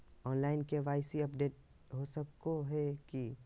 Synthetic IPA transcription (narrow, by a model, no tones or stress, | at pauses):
ɔːnlaːɪnkeʋaːɪsiɐpɖeːʈ̚ | ɦosəkoɦɛki